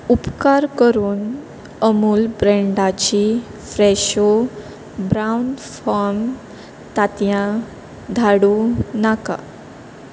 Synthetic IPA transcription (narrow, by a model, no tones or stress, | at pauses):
upkaɾkəɾuːn | əmuːlbɾeɳɖat͡ɕi | fɾɛɕo | bɾaunfɔɾm | t̪at̪jã | d̪ʱaɽunaka̰